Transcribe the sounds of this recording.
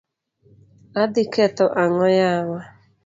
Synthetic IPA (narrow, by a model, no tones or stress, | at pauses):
adikɛt̪ɔʔaŋɔjawa